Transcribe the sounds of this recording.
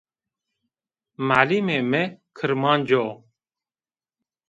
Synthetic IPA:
maːliːmeːmeːkʰəɾmaːnd͡ʒoː

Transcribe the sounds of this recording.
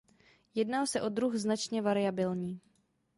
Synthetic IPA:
jɛdnaːlsɛʔo̞d̪ɾuxznat͡ʃɲɛvaɾɪjabɪlɲiː

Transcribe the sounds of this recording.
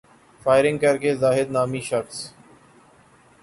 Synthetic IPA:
faːɪɾɪ̃ŋɡkəɾkeːzaːɦɪd̪naːmiːʃəxs

